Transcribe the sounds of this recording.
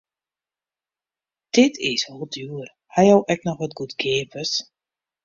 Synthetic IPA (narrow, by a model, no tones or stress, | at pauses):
d̥ɪtʰɪsʋɔlˠdyər | hajɔwʔɛk̚nɔxʋɔtɡutɡʰeːpəs